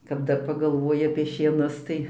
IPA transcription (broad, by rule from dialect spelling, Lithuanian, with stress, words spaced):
kɐp ˈdɐr pɐɡɐlˠˈʋoːjɪ ɐpʲiɛ ʃʲiɛˈnʊs ˈtɐɪ